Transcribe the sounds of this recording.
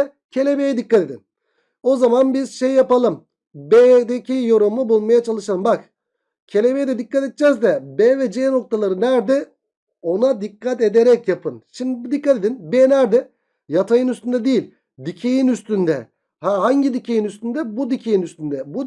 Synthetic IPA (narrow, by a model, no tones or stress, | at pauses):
cʰe̞lʲe̞bejɛd̪ikːat̪ed̪in | o̞zamanbizʃejːapalˠɯm | bed̪ecʰijo̞ɾumˠubulˠmajat͡ʃʰalˠɯʃalˠɯmbak | cʰe̞lʲebe̞jɛd̪ɛd̪ikːat̪et̪̚t͡ʃɛzd̪ɛbɛːvɛd͡ʒeːno̞k̚t̪ʰalˠaɾɯnæɾd̪ɛ | o̞nad̪ikːat̪̬e̞d̪eɾɛcjapʰɯnʃimd̪ibd̪ikːat̪e̞d̪inbeːnæɾd̪ɛ | jat̪ʰajɯnyst̪ʰynd̪ɛd̪ijilʲ | d̪icʰejinyst̪ynd̪ɛ | haɦaɲɟid̪icʰejinyst̪ynd̪ɛbud̪icʰejinyst̪ynd̪ɛbu